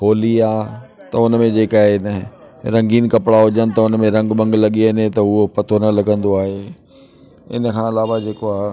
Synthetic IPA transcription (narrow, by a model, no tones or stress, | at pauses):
kʰoːliaːt̪ɐʊnmẽd͡ʑeːkaːɦenəɦ | ɾɐ̃ŋɡiːn̆kɐpɪɽaɦʊd͡ʑənɪ̆t̪ɐʊnmẽɾɐ̃ŋɡɓɐ̃ŋɡlɐɠiənet̪ɐʊɦopɐt̪ʰonɐlɐɠə̃nd̪oaːɦeː | ɪ̰nkʰãːɐlaːʋad͡ʑeːkoaː